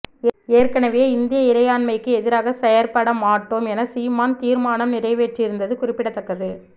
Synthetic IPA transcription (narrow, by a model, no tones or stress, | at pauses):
eːɾkɐnɐʋejːɪnd̪ɪjɐɪɾɐɪjaːɳmɐɪkːɯɛðɪɾaːɣɐsɛjɐɾpɐɽɐmaːʈːoːmɛnɐsiːmaːnt̪iːɾmaːnɐmnɪrɐɪʋeːʈrɪɾɯnd̪ɐðɯkʊrɪpːɪɽɐt̪ːɐkːɐðɯ